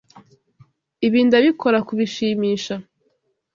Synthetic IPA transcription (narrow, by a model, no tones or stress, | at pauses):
iβiːndaβikʰo̞ɾakuβiʃiːmiːʃa